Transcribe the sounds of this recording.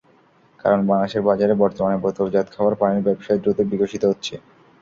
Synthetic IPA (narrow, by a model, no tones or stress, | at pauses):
ka̰ɾonbanaʃeɾbad͡ʑaɾebɔɾt̪omanepɾot̪oɾd͡ʑat̪̚kʰaoaɾpaniɾbɛbʃajd̪ɾot̪ebiɡoʃit̪oɦotːɕʰe